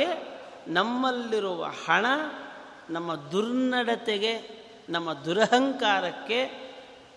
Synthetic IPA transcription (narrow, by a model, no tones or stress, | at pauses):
e | nɐmːɐlːiɾuʋɐ̰hɐɳɐ | nɐmːɐd̪uɾnɐɽɐt̪eɡe | nɐmːɐd̪uɾɐɦɐŋkaːɾɐkːe̞